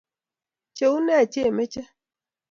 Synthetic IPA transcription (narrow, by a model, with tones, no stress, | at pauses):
t͡ʃe˨u˦nɛ˦˨t͡ʃe˦˨me˦t͡ʃe˦